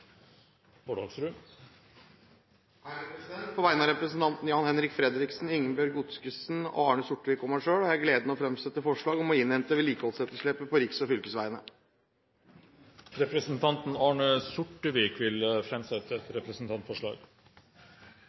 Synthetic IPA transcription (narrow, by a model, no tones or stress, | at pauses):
boːɖɑːɡsɾʉ | hæɛpɾsd̪ɛnt̪̚pʰɔʋæɪənɑɾɛpɾəsn̩t̪ʰɑnt̪n̩jɑːnhɛnɾɪkfɾɛd̪ɾɪksn̩ʏŋːənbjœɾɡʊt̪skəsnɔ̰ɑːɳəsʊʈːəʋɪːkɔmæɪʂøːɽɔæɡleːd̪ənəɔfɾɛmsɛt̪ːəfɔʂɭɑːɡɔmɔɪnhɛnt̪əʋɪliːkəhɔlsɛt̪ːəʂɭɛpːəpʰɔɾɪksɔfʏlkəsʋæɪnə | ɾɛpɾəsnt̪ʰɑnt̪n̩ɑːɳəsʊʈːəʋiːkʋɪlfɾɛmsɛt̪ːəɛɾɛpɾəsnt̪ʰɑnt̪fɔʂɭɑ̰ːɡ